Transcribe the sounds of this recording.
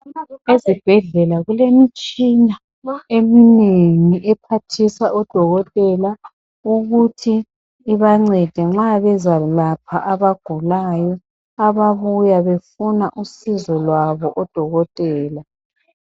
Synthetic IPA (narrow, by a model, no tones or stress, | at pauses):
ezib̥ʱɛɮɛlaɣulemit͡ʃʼina | emineŋiʔɛpʰatʰisaʔɔd̥ʱɔɣɔtʼɛla | uɣutʰiː | βaŋ͡ǀɛd̥ʱɛŋ͡ǁaβɛzalapʰaʔaβaɡ̥ʱulajɔ | aβaβujaβefunaʔusizɔlwaβɔʔɔd̥ʱɔɣɔtʼɛːla